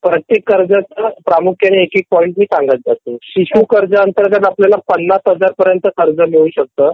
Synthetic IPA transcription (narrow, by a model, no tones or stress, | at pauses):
pɾət̪jekːəɾd͡zat͡səpɾamukʰjəneekik̚pɔiɳʈmiːsaŋɡət̪̚d͡zat̪eɕiɕukəɾd͡zəːnt̪əɾɡat̪apljalapənːasɦəd͡zaɾpəɾjənt̪əkəɾd͡zəmeɭuːɕək̚t̪əː